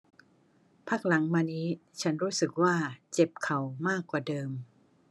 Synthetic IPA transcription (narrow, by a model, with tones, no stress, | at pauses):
pʰaː˦˥˩k̚la˩˦ŋmaː˧niː˦˥t͡ɕʰa˦˥nɾuː˦˥sɯ˨˩k̚waː˥˩t͡ɕe˨˩p̚kʰa˨˩wmaː˥˩kːwaː˨˩dɤː˧m